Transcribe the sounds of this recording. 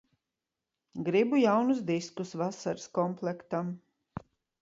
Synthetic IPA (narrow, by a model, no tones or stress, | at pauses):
ɡɾibujawnus̬d̪iskusvasaɾskɔmplˠɛkt̪am